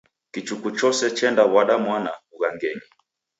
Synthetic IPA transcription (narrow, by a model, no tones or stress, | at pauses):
kit͡ʃukut͡ʃɔsɛt͡ʃɛndawaɗamwanauɣaŋɡɛɲi